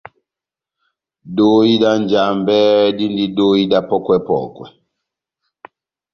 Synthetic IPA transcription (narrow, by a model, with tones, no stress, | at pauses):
do˦i˦da˦nd͡ʒa˨mbɛ˦di˦ndi˦do˦i˦da˦pɔ˦kwɛ˦pɔ̰˨kwɛ̰˨